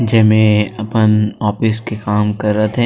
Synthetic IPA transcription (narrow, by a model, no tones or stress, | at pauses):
d͡ʒɛːmẽɐpənɔːpɪskekaːmkɐɾːət̪ɦɛ̃